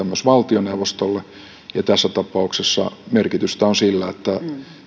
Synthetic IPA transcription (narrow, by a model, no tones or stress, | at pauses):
æmːøsʋɑlt̪ioneuʋost̪olːe | jɑt̪æsːæt̪ɑpɑuksesːɑ̰merkit̪yst̪æonsilːæet̪ːæ